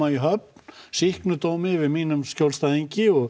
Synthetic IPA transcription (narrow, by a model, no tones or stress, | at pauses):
aiɦœp̚nnsihknʏt̪oːwmɪvɪðmiːnʏmscowlst̪aðiɲcɪɔɣ